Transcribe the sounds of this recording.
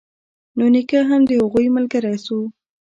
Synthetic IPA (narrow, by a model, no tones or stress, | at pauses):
nonɪkaɦamd̪əhaɣujməlɡaɾajsu